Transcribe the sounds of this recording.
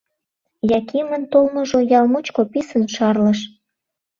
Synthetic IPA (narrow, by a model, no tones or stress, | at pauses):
jɑkʰimənt̪olmŏʒojɑlmut͡ɕkopisənʃɑrləʃ